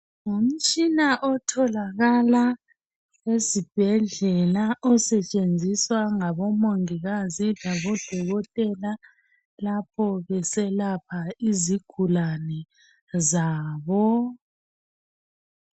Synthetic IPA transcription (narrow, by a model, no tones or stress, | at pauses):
ŋom̩t͡ʃʼinaʔɔtʰɔlaɣala | ezib̥ʱɛɮɛlaʔɔsɛt͡ʃʼend͡zʱiswaŋaβɔmoŋiɣazilaɣɔd̥ʱɔɣɔtʼɛla | lapʰɔβɛsɛlapʰaiziɡ̥ʱulanɛ | zaːβɔ